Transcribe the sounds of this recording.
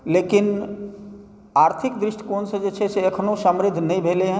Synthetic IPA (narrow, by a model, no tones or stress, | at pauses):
lekin | aɾt̪ʰikd̪ɾɪʃʈə̥koːnsə̃d͡ʒet͡ʃʰɛseəkʰnosəmɾɪd̪ʱːnəĩbʱeleɦə̃